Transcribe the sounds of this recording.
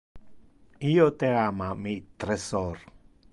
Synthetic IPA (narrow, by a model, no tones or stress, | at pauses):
ijot̪eamamit̪ɾesɔr